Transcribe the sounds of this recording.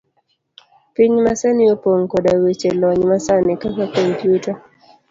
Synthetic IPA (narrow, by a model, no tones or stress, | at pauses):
piɲmasɛnɪopoŋkɔdawet͡ʃelɔɲmasanɪkakakɔmpjuta